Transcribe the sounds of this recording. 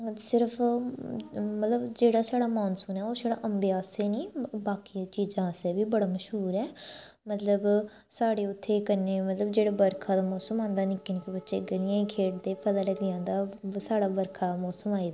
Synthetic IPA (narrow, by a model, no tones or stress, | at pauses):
sɪɾəpʰ | mət̪ləbd͡ʒeːɽaːsaːɽaːmaːnsuːnɛːoːsaːɽa̰ːʔəmbjaːseːniːbaːkiːt͡ʃiːzãːsɛːbiːbəɽaːməʃɦuːɾɛː | mət̪ləb | saːɽeːʊt̪ʰːeːkəɾneːmət̪ləbd͡ʒeːɽaːbəɾkʰaːd̪aːmɔːsəmãːnd̪aːnɪkenːkibətːʃeːɡəɽɪjãːiːkʰeːʈ̚d̪eːpəd̪aːləɡɪjãːnd̪aːsaːɽaːbəɾkʰaːmɔːsəmaːiːd̪aː